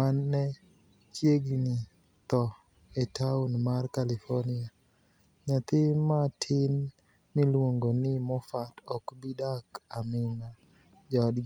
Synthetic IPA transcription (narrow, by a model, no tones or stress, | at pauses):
anːɛ | t͡ʃjeɡinɪ | t̪ɔ | ɛtaunmarkalɪfɔnɪa | ɲat̪ɪmatʰɪn | mɪlwoŋɡonɪmɔfatɔkbidakamɪna | d͡ʒɔdɡ